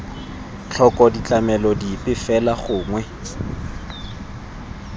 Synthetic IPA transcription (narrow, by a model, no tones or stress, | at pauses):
t͡ɬʰɔkʼɔdit͡ɬʼamɛlɔdipʼɪfɛlaχʊːŋwɛ